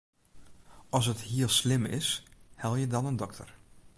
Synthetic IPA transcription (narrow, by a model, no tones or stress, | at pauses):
ʔɔsəthiəlˠslɪmɪ̰shɛlˠjədɑnəndɔktʰə̰r